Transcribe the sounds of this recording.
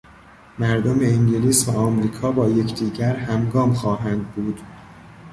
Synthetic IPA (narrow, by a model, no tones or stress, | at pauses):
mæɾd̪omeiŋɟeliːsvæɒːmɾiːkʰɒːbɒːje̞cʰd̪iːɟæɾhæmɡɒːmxɒːɦænd̪̚buːd̪̥